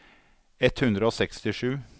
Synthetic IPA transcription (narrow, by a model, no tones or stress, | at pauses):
ɛt̪hʉnd̪ɾəoːsɛkst̪ɪʂʉː